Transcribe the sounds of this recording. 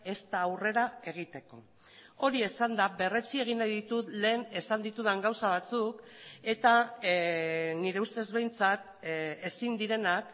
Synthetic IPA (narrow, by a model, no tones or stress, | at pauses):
e̞st̪aːwre̞ɾae̞ɣ̞it̪e̞ko̞̰ | o̞ɾie̞sand̪aβe̞re̞t͡sie̞ɣ̞inajðit̪ut̪le̞ːne̞sand̪it̪uð̞aŋɡawsaβ̞at͡suke̞t̪a | niɾe̞ust̪e̞zβe̞jnt͡sat̪ | e̞sind̪iɾe̞nak